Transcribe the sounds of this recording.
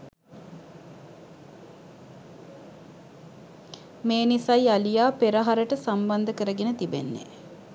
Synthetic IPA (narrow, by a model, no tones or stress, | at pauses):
meːnisajialijaːpeɾəɦaɾəʈəsamband̪əkəɾəɡenət̪ibḛnːḛ